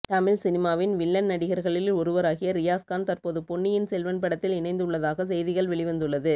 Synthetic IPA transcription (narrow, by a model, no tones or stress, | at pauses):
t̪ɐmɪlsɪnɪmaːʋɪnʋɪɭːɐnnɐɽɪɣɐɾɣɐɭɪlɔɾɯʋɐɾaːɣɪjɐɾɪjaːskaːnt̪ɐrpoːðɯpɔɳːɪjɪnsɛlʋɐnp̬ɐɽɐt̪ːɪlɪnɐɪnd̪ɯɭːɐðaːɣɐs̬ɛjðɪɣɐɭʋɛɭɪʋɐnd̪ɯɭːɐðɯ